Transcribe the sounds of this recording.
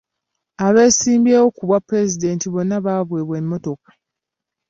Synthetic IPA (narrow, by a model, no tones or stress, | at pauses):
aβe̞ːsiːmbjeːwo̞kuβwapːɾe̞zide̞ːntiβo̞nːaβaːβweːβwe̞mːo̞to̞kḁ